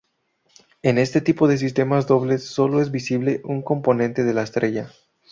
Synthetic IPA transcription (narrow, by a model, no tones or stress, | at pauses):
e̞ne̞st̪e̞t̪ipo̞ðe̞s̬ist̪e̞mazd̪o̞βle̞sːo̞lo̞e̞zbisiβle̞ʔuŋko̞mpo̞nẽnt̪e̞ð̞e̞laest̪ɾe̞ʝa